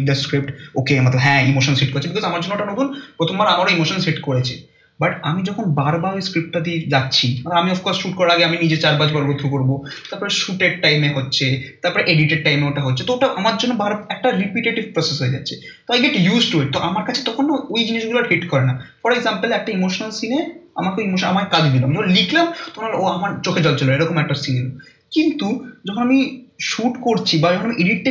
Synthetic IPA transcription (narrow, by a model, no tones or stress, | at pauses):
d̪askɾip̚ʈokemat̪lbɦɛ̃imoʃonsɦeʈ̚koɾet͡ɕʰebikʰɔzamaɾd͡ʒd͡ʑonːooʈanot̪unpɾot̪ʰombaɾamaɾaimoʃonsɦeʈkoɾet͡ɕʰḛ | baʈamid͡ʑɔkʰonbaɾbaɾoeskɾip̚ʈʈad̪id͡ʑatːɕʰimalaamiɔfkɔɾsʃuʈkɔɾaɾaɡeaminid͡ʑet͡ɕaɾbad͡ʑbaɾbod̪ʱɾukoɾbot̪aɾpɔɾeʃuʈeɖ̚ʈajmeɦotːɕʰet̪aɾpɔɾeʔeɖiʈeɖ̚ʈajmeoʈaɦotːɕʰet̪ooʈaʔamaɾd͡ʑonːobaɾbɛk̚ʈaɾipiʈeʈivpɾɔsesɦoed͡ʑatːɕʰe | t̪oajɡeʈjuzʈueʈt̪oʔamaɾkat͡ɕʰe̥t̪ɔkʰonoojd͡ʑiniʃɡulaɾɦiʈkɔɾenafɔɾeɡzampəlɛk̚ʈaimoʃonalsinea̰maɾkeoimoʃona̰makekad͡ʑd̪ilamolikʰlamt̪ɔokonaleoamaɾt͡ɕokʰed͡ʑɔlt͡ɕoloeɾɔkomɛk̚ʈasiŋlo | kint̪ud͡ʑɔkʰonamiʃuʈkoɾt͡ɕʰibad͡ʑɔkʰonamiʔeɖiʈe